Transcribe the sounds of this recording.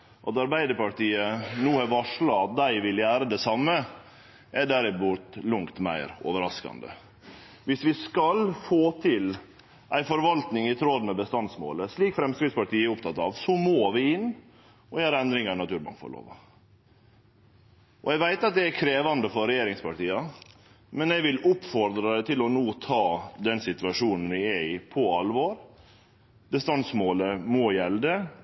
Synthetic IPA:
ʔɑt̪ɑɾbæɪd̪əɾpɑʈiːənuːhɑʋɑʂɭɑɑt̪̚d̪æɪʋɪljæːɾəd̪ɛsɑmːə | ʔɛɖæɾɪbʊt̪lʊŋkt̪mæ̰ɪɾo̰ːʋəɾɑskɑ̰nd̪ə̰ | ʋɪsʋɪskɑlfoːt̪ʰɪl | ʔæɪfɔɾʋɑlt̪nɪŋɪt̪ʰɾod̪mɛbəst̪ɑnsmo̰ːləsɭiːkfɾɛmskɾɪspɑʈiːəɛɾʊpt̪ʰɑt̪ːɑːʋsɔmoːʋɪɪnː | ɔjæːɾɛnd̪ɾɪŋɑɳɑt̪ʉːɾmɑ̰ŋfɔ̰ɾɭo̰ːʋɑ̰ | ʔɔɛɪɡʋæɪt̪ɑt̪̚d̪ɛækʰɾeːʋɑnd̪əfɔɾɾɛjeːɾɪŋspʰɑʈiːɑ | mɛnɛʋɪlʊpːfɔɾd̪ɾɑd̪ɛt̪ʰɪlɔnoːt̪ʰɑːd̪ɛnsɪt̪ʉɑʂuːnn̩ʋɪɛɪpʰɔɑlʋoːɾ | bəst̪ɑnsmoːləmɔjɛld̪ə

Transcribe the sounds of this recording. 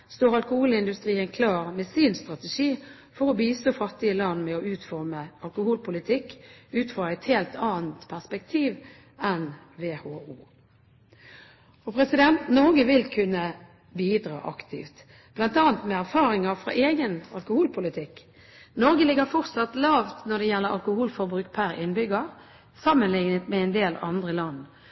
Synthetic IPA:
st̪oːɾɑlkʊhuːlɪnd̪ʉst̪ɾʁiːənkʰlɑːʁmɛsiːnst̪ʁɑt̪ɛʂiː | fɔʁɔbiːst̪oːfɑt̪ːɪəlɑnmɛɔʉːt̪fɔʁməɑlkʊhuːlpʰʊlɪt̪ʰɪkːʉːt̪fʁɔʁæɪt̪heːlt̪ʰɑːnt̪pʰæʁspɛkt̪ʰiːʋ | ɛn | ʋeːhoːuː | ɔpʰʁɛsɪd̪ɛnt̪nɔɾɡəʋɪlkʰʉnːə | biːd̪ʁɑ̰ːʔɑkt̪ʰɪ̰ft̪ | b̥lɑnt̪ɑːnt̪mɛæʁfɑːɾɪŋɑfʁɑ̰ʔeːɡənɑ̰lkʊhuːlpʰʊlɪt̪ʰɪkː | nɔʁɡəlɪɡəʁfɔʁt̪sɑt̪lɑːʋt̪nɔd̪ɛjɛlːəɾɑ̰lkʊhuːlfɔʁbʁʉːk̚pʰæɾɪ̰nbʏɡə | sɑmːənlɪŋnət̪mɛɛnd̪eːlɑ̰nd̪ʁəlɑn

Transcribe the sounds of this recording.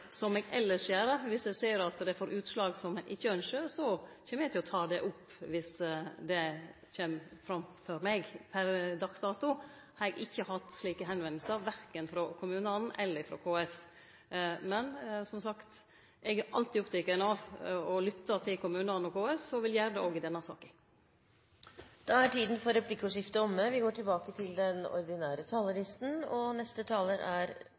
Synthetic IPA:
sɔmɛɡɛlːəseːɾəʋɪsɛɡseːɾɑt̪d̪ɛfoːɾʔʉːt̪slɑːɡsɔmɛʔɪçːəœnʂəsɔçeːməɾɛɡt̪ɪlɔt̪ʰɑːd̪ɛʔʊpː | ʋɪsd̪ɛ | çeːmfɾɑmfɔɾmɛɡpʰæɾd̪ɑksd̪ɑːt̪ʊ | hɑɾɛɡɪçːəhɑt̪sliːkəɦɛnʋɛnlsəɾʋæɾkənfɾɔkʰʊmʉːnɑnn̩ʔɛlːəɾfɾɔ̰kʰoːɛs | mɛnsɔmsɑkt̪ | ʔɛɡæʔɑ̰lt̪iːɔpt̪ʰɛkənɑʋɔlʏt̪ːət̪ʰɪlkʊmʉːnɑnnɔkʰoːɛsɔʋɪljæːɾəd̪ɛoːɡɪd̪ɛnːɑsɑ̰ːkə | d̪̥ɑæʈiːd̪n̩fɔɾɛpʰlɪkːʊʂɪft̪əɔmːəʋɪɡoːʈʰɪlbɑːkət̪ʰɪld̪ɛnɔ̰ɾd̪ɪnæːɾət̪ʰɑːləɾɪst̪n̩ɔnɛst̪ət̪ʰɑːləɾæɾ

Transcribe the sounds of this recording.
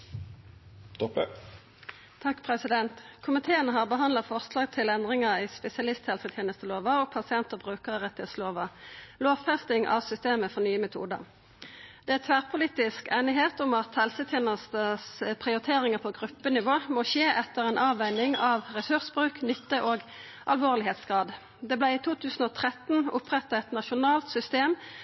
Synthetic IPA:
t̪ɔp | t̪ʰɑkːpʰʁɛsɪd̪ɛnt̪kʰʊmɪt̪ʰeːənəɦɑːʁbəɦɑnlɑfɔʁslɑːɡ̚t̪ʰɪlɛnd̪ʁɪŋəʁiːspɛsɪɑlɪst̪hɛlsət̪ʰjeːnəst̪əloːʋɑɔpʰɑsɪɛnt̪əbʁʉːkəʁəʁɛt̪ːɪheːt̪sloːʋɑloːʋfɛst̪ɪŋʔɑ̰ʋsʏst̪eːməfɔʁnyːəmɛt̪ʰṵːd̪ə̰ʁ | d̪̥ɛæt̪ʰʋæːʁpʰʊliːt̪ɪskæɪnɪɦeːt̪ʊmɑt̪hɛlsət̪ʰjeːnəst̪əspʰʁɪʊɾɪt̪ʰeːʁɪŋəpʰɔɡʁʉpːənɪʋoːmɔʃeːʔɛt̪ːəʁɛːnʔɑːʋæɪnɪŋɑʋʁɛsʉʁsbʁʉːknʏt̪ːəʔoːɡ | ʔɑlʋoːʁlɪheːt̪sɡʁɑːd̪ | d̪ɛːblæɪit̪ʰuːt̪ʰʉːsn̩ɔt̪ʰʁɛt̪n̩ʊpʁɛt̪ːɑɛt̪nɑʃʊnɑːlt̪sʏst̪eːm

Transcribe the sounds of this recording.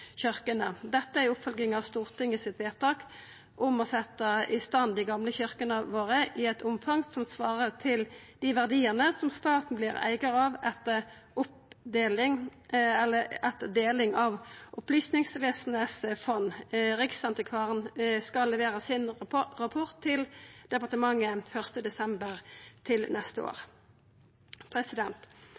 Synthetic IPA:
çʏʁkənəd̪ɛt̪ːəæʁʊpfɔlɡɪŋɑʋst̪uːʁt̪ʰɪŋɪsɪt̪ʋeːt̪ɑːk | ʔʊmɔsɛt̪ːəɪst̪ɑnd̪ɪɡɑmləçʏʁkənəʋoːʁəʔɪɛt̪ʰʊmfɑŋsɔmsʋɑːʁət̪ʰɪld̪̥ɪʋæʁd̪iːəʁnəsɔmst̪ɑːt̪n̩blɪʁæ̰ɪɡəɾɑʋɛt̪ːə | ʊp̚d̪eːlɪŋɛlːəɛt̪ːəd̪eːlɪŋɑʋʔʊplʏsnɪŋsʋeːsn̩əsfɔnːʁɪksɑnt̪ɪkʰʋɑːʁnskɑlːɛʋeːɾəsɪnʁɑpʰʊʁt̪ʰːɪld̪̥ɛpɑʁt̪əmɑŋːəfœʁst̪əd̪ɛsɛmbəʁt̪ʰɪlnɛst̪əo̰ːʁ | pʰɾɛsɪd̪ɛnt̪

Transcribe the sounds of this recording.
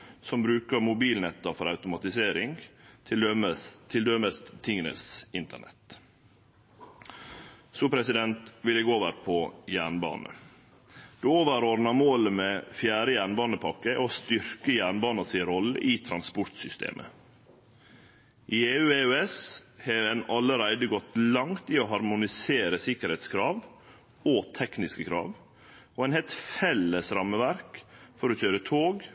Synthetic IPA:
sɔmbɾʉːkəɾmʊbiːlnɛt̪ːəfɔɾɑʉt̪ʊmɑt̪ɪseːɾɪŋ | ət̪ʰɪld̪øməst̪t̪ʰɪŋənə̰sɪnt̪əɳɛ̰t̪ | suːpʰɾɛsɪd̪ɛnt̪ʋɪlɛɡoːʋəɾpʰɔjæːɳbɑ̰ːnə̰ | d̪̥ʉːoːʋəɾɔɾnɑmoːləmɛfjæːɾəjæːɳbɑːnəpʰɑkːəʔost̪ʏɾkəjæːɳbɑːnɑsɪnɾɔlːə̰ʔiːt̪ʰɾɑnspʊɾt̪sʏst̪ḛːmʔə̰ | ʔieːʉːeøɛsheɛnɑləɾæɪd̪əɡɔt̪lɑŋt̪iːoɦɑɾmʊnɪseːɾəsɪkəɾhɛɪt̪skʰɾɑːʋ | ot̪ʰɛknɪskəkʰɾɑ̰ːʋ | oːɛɪnhelt̪fɛlːəsɾɑməʋæɾkfɔɾɔçøːɾət̪ʰoːɡ

